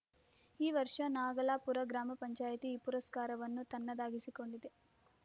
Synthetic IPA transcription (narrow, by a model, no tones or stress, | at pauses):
iːʋɐɾʂɐnaːɡɐlaːpuɾɐɡɾaːmɐpɐɲt͡ʃaːjɐt̪iːpuɾɐskaːɾɐʋɐnːut̪ɐnːɐd̪aːɡisiko̞ɳɖid̪e